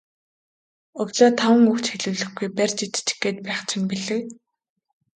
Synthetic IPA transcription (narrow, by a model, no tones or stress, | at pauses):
ʊkt͡ɕaːt̪ʰawə̆ŋukt͡ɕxeɮŭːɮɘ̆xɡujpærʲt͡ɕit̪t͡ɕxɡeːt̪̚pæːχt͡ɕʰɪ̆npiɮɘ̆k